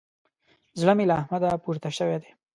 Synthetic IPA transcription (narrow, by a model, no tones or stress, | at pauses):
zɽəmilaːhmad̪apuɾt̪aʃəwed̪e